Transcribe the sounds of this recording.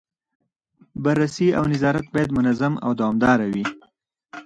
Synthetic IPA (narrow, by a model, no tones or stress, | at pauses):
baɾːasia̰wnɪzɑɾat̪̚bɑjad̪mʊnazama̰wd̪awɑmd̪ɑɾawi